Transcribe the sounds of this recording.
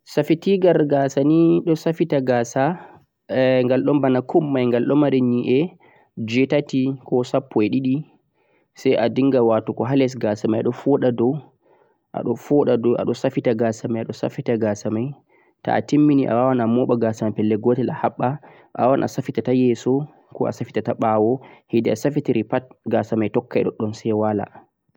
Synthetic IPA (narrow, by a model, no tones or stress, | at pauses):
safitiɡaɾɡasaniɗɔsafitaɡaːsa | ŋɡalɗɔmbanakʰumːajŋɡalɗɔmaɾɛɲiʔɛ | d͡ʒɛtatikɔsapːɔɛɗiɗi | sajʔadiŋɡawatukɔɦalɛs̬ɡasamajaɗɔfɔɗadɔw | ʔa̰ɗɔfɔɗadɔʔa̰ɗɔsafitaɡasamajaɗɔsa̰fitaɡasamaj | ta̰a̰timːiniʔa̰wawanamɔɓaɡasamajpɛlːɛɡɔtɛlahaɓːa | ʔa̰awanʔa̰safitatajɛsɔ | kɔ̰ʔa̰safi̥tataɓawɔhidɛasafitiɾipat̚ɡasamajtɔkːaɛ̰ɗɔ̰ɗɔnsɛwala̰